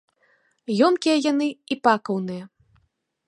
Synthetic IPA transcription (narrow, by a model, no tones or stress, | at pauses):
jɔmkʲijɐjan̪ɨipakɐwnɨjɐ